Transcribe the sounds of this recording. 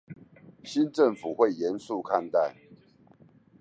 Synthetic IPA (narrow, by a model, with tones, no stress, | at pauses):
ɕi˦nʈ͡ʂə˥˨ŋfu˨˩xwe˥˨ɪjɛ˨˦nsu˥˨kʰa˥˧˨nt̪a˥˨ɪ